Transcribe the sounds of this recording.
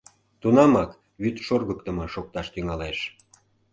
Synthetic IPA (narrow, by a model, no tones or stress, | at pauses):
t̪unɑmɑk | βyt̪ʃorɣək̚t̪əmɤ̆ʃok̚t̪ɑʃt̪yŋɑleʃ